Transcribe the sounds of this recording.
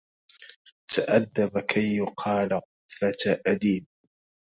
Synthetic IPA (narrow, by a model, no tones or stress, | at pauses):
t̪ʰaʔad̪ːabakʰajːʊqʰɑːlqʊfat̪aʔad̪iːb